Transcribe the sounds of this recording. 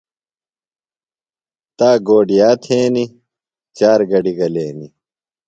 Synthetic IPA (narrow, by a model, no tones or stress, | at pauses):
t̪aːɡoːɖijaːt̪ʰeːni | t͡ɕaːɾɡɐɖiɡɐleːni